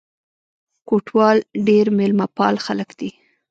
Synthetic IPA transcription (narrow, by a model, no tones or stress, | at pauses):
koʈʰwɑlɖeɾmelmapɑlxaləkd̪i